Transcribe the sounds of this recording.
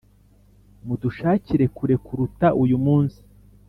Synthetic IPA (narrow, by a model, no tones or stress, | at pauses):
muduʃaːciɾe̞kuɾe̞kuɾutaʔujumuːnsi̥